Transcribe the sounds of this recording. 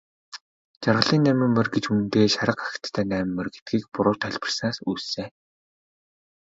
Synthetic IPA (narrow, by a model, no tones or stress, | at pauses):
t͡ɕarʁə̆ɮiːnːæːmʲĭmːɘ̆rɡet͡ɕunt̪eːʃaɾə̆qḁxt̪ːʰæːnæːm̆mːɘ̆rɡet̪̚ɡiːk̚pʊɾʊːt̪ʰœɮʲpə̆rsnaːsuːsseː